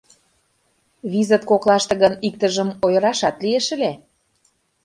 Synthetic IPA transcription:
βizət̪̚koklˠɑʃt̪ɤ̆ɣənik̚t̪ə̆ʒə̆mojɤ̆ɾɑʃɑt̪lieʃəle

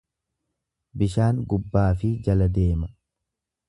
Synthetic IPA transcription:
bɪʃaːŋɡʊbːaːfɪd͡ʒɐlɐd̪e̞ːmɐ

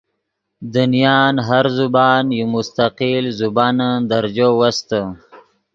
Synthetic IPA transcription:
d̪unijɑːnɦaɾzubɑːnjumʊst̪aqilzubɑːnəd̪aɾd͡ʒowast̪ə

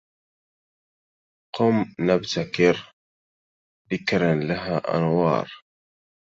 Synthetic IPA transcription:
qʊmnabt̪akɪɾ | ðɪkɾanlaɦaːʔa̰nwɑ̰ːɾˤ

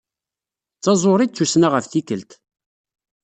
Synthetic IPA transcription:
t͡sːɑzˤoɾˤid̪̚t͡sːusnaʁəfθikəlt̪

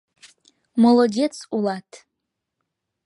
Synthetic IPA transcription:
molodʲet͡sʰulatʰʼ

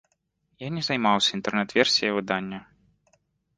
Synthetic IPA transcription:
janʲɛzɐjmawsʲɐint̪ɛrnɛt̪vʲɛrsʲijɐvɨd̪anʲːɐ

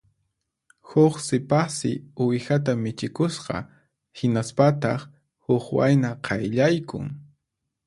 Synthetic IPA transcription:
hʊχsɪpasɪ̰ʊjxat̪amɪt͡ʃɪkʊsqɑ̰ | hɪnaspat̪ɑχ | hʊkwa̰jnaqʰɑjʎajkʊ̰ŋ

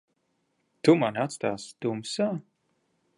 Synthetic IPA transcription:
t̪umanat̪st̪aːsd̪̥umsaː

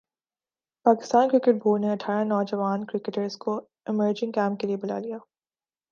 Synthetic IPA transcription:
paːkɪ̥st̪aːnkɾɪkəʈ̚bʱoːlneɐʈʰaːɾanɔːd͡ʒɐʋaːnkɾɪkeʈəɾzko | ɪməɾd͡ʒɪ̃ŋkɛ̃ːmp̚keliebʊla̰ːlijaː

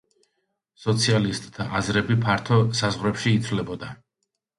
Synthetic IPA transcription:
sɔt̪sʰialist̪ʼt̪ʰːaazɾɛbipʰaɾt̪ʰɔsazʁvɾɛpʃiːt̪sʰvlɛbɔd̪a

